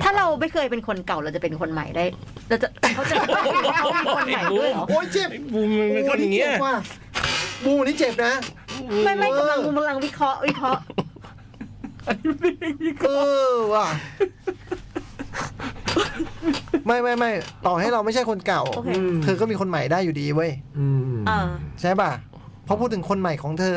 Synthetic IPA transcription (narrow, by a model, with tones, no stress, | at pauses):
t̪ʰaː˥˩ɾa˧wma˥˩jkʰɤː˧jpe˧nkʰo˧nka˨˩wɾa˧wt͡ɕa˨˩pe˧nkʰo˧nma̰˨˩˦jdaː˥˩jɾɛː˧wt͡ɕa˨˩˨kʰa˦˥t͡ɕa˨˩˥a˥˩˧a˨˦˧iː˧˩ko˧nma˨˩˦jdu˥˧˩jlɔː˨˦kʔoː˦˥˩jt͡ɕe˨˩pː | nʰː˥˨˩a˥˩kwaː˧˩ | buː˧mnʰiː˥˩t͡ɕe˨˩p̚na˦˥ma˥˩jmaː˥˩˧a˧ŋbuː˧mʰa˧la˧ŋwi˦˥kʰɾɔ˦˥ʔwi˦˥kʰɾɔ˦˥ʔ | ɤː˧wa˧˩ | ma˥˩jma˥˩jma˥˩jt̪ɔː˨˩ha˥˩jɾa˧wma˥˩jt͡ɕʰa˥˩jkʰo˧nka˨˩w̪ʰɤː˧k̬ɔ˥˩miː˧kʰo˧nma˨˩jdaː˥˩jːuː˨˩diː˧wu˥˩j | a˧˩t͡ɕʰa˦˥jbaː˧˩ | pʰɔ˦˥pʰuː˥˩t̪ʰːɯ˩˦ŋkʰo˧nma˨˩jkʰɔː˩˦ŋt̪ʰɤː˧